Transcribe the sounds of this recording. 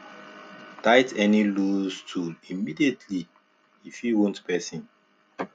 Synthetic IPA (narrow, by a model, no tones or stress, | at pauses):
tajtʰɛnilustʰulimidietʰli | ifiwõntpɛsĩn